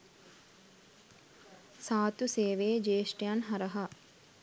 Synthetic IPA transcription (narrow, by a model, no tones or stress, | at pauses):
saːt̪useːʋeːd͡ʒeːʂʈijanɦɐɾɐɦa